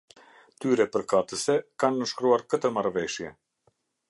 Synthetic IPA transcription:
t̪yɾɛpəɾkat̪əsɛkanːəʃkɾuaɾkət̪əmaɾvɛʃjɛ̰

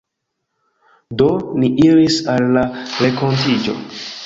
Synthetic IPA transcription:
do̞niʔiɾisalːaɾe̞ko̞ntid͡ʒo̞̰

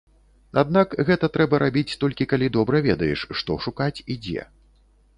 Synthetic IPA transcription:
ad̪̚nakɣɛt̪ɐt̪ɾɛbɐɾabʲit͡sʲt̪ɔlʲkʲikalʲid̪ɔbɾɐvʲɛd̪ɐjɛ̰ʂʂt̪ɔʂukat͡sʲid͡zʲɛ̰

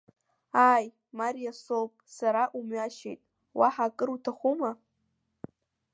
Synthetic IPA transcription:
aj | maɾijasopʼsaɾaʔumɥaʃḛjtʼ | wa̰ħakʼɨɾutʰaχʷuma

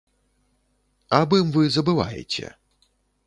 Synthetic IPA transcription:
abɨmvɨzɐbɨva̰jḛt͡sʲɛ̰

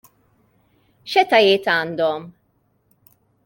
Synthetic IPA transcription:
ʃɛt̪ɐjɪːt̪ɐːnd̪ɔm

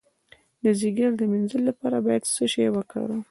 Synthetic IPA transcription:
d̪əziɡaɾd̪əminzəlːapɑɾabɑjad̪səʃawəkɽa̰ɾu

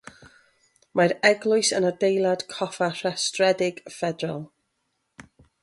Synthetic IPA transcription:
maɾɛɡlˠʊɨsənədejlˠad̥kʰɔfar̥astrɛdɪɡ̥fɛdrɔlˠ

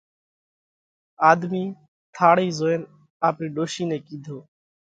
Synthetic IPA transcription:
aːd̪miː | t̪ʰaːɽiːzoːen | aːpɾiːɖoːʃiːnẽːkiːd̪ʱoː

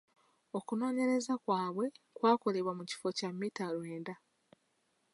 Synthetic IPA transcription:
o̞kuno̞ːɲe̞ɾe̞zakwaːβwe̞kwaːko̞le̞βwamuci̥fo̞camːitalwe̞ːnda

